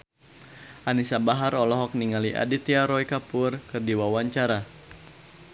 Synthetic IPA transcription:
ʔanisabaɦaɾɔlɔɦɔk̚niŋaliʔa̰dit̪iaɾɔikapʊrkɨrdiwawaɲt͡ʃaɾa

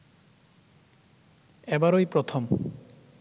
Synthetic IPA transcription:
ɛbaɾojpɾot̪ʰom

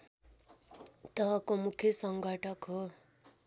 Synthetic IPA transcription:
t̪ʌɦʌkomukʰjʌsʌŋɡʱʌʈʰʌkɦo

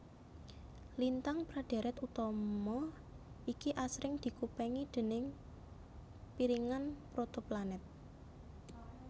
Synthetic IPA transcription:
lint̪aŋpɾad̥e̤ɾɛt̪ut̪ɔmɔ | ikiʔasɾɪŋd̪̥i̤kupɛŋid̪̥e̤nɪŋ | piɾiŋanpɾot̪oplanɪt̪̚

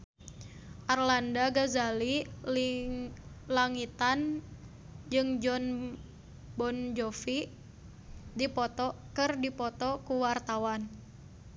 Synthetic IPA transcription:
ʔarlandaɡazaliliŋ | laŋit̪an | d͡ʒɨŋd͡ʒɔn | bɔnd͡ʒɔfi | dipɔt̪ɔ | kɨrdipɔt̪ɔkuwart̪awan

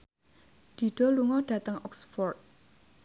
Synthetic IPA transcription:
d̪̥i̤ɖ̥ɔ̤luŋɔɖ̥ä̤t̪əŋɔksfɔrt̪̚

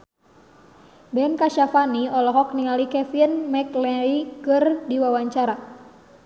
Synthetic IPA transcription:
bɛnkaʃafaniɔlɔɦɔk̚niŋalikɛfinmɛklɛɾikɨrdiwawaɲt͡ʃaɾa

